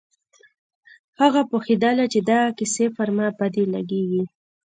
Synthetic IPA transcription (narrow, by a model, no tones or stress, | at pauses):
haɣapoxid̪alat͡ʃed̪akɪsefaɾmabad̪ela̰ɡeɡi